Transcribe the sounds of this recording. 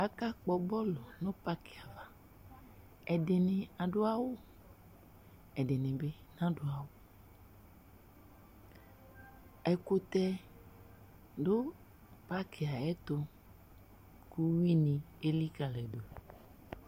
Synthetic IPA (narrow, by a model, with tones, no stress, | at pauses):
a˨ka˦k͡pɔ˨bɔ˦lɔ˨nõ˦pa˦ke˨a˨va˨ | ɛ˨de˨nẽ˨a˨ɖo˦a˦wo˦ | ɛ˨ɖe˨nẽ˨be˦nã˦do˦a˨wo˦ | ɛ˨ko˦t̪ɛ˦ | ɖo˦ | pa˦kʰe˨a˨ɛ˦t̪o˦ | ku˦wi˦nĩ˨ | e˦li˦ka˨lɛ˨do˨